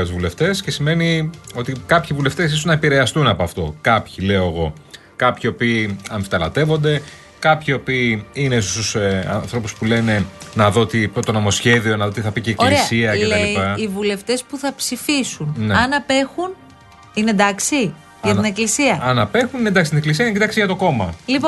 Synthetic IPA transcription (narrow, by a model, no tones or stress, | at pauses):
ɐt̪uzvule̞ft̪e̞sce̞sime̞nio̞t̪ikɐpçivule̞ft̪e̞s̬is̬oznɐepiɾe̞ɐst̪unɐpo̞ɐft̪o̞kɐpçile̞o̞eɣo̞ | kɐpçio̞piːɐɱfit̪ɐlɐt̪e̞vo̞nd̪e̞ | kɐpçio̞piːinessusɐ̰nθɾo̞puspule̞ne̞nɐðo̞t̪ipot̪o̞no̞mo̞sçe̞ðio̞nɐðo̞t̪iθɐpiceːkkolɾieɐsiɐcelɐliipɐːvule̞ft̪e̞spuθɐpsifisunneɐnɐpe̞xun | ined̪ɐksi | ʝɐt̪ineklisiɐɐnɐpe̞xuninend̪ɐksit̪ineklis̬iɐinecit̪ɐksiʝɐt̪o̞ko̞mɐlipo